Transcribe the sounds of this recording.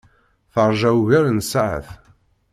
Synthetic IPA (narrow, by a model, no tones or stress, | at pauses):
θəɾˤʒæwʝæɾnsʕə̰θ